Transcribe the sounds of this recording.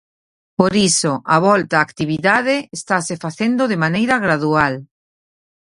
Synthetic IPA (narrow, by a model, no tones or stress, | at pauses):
poɾisoʔaβɔlt̪aːkt̪iβ̞iðaðeːst̪asefaθend̪oðemanejɾaɣɾaðual